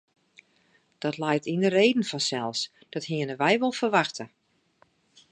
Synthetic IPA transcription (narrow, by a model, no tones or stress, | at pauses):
d̥ɔtlɛjtindəreːdən̩fɔnsɛlˠs | d̥ɔthiənəʋɛjʋolˠfərʋaxtʰə